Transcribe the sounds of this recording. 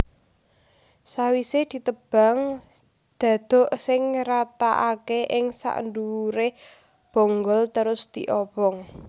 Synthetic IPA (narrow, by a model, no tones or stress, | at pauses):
sawised̪̥i̤t̪əb̥a̤ŋ | d̪̥ä̤d̪̥ɔ̤ʔsɪŋɾat̪a̰ʔakeʔɪŋsa̰ʔə̰nd̪uɾe | b̥o̤ŋɡɔlt̪əɾʊsd̪̥i̤ʔɔbɔŋ